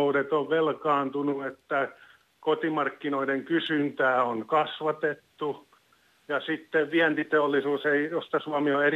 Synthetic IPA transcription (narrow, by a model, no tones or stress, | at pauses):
udet̪oʋʋelkɑːnt̪unuet̪ːæ | kot̪imɑrkːinoideŋkysynt̪æːoŋkɑsʋɑt̪et̪ːu | jɑsit̪ːeʋʋiænt̪it̪eolːisuːseijost̪ɑsuɑmioer